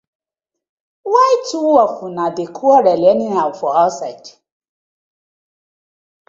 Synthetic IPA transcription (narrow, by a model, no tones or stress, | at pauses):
waituwwɔfʊnãdekʰuɔɾɛlɛnĩafɔhasaid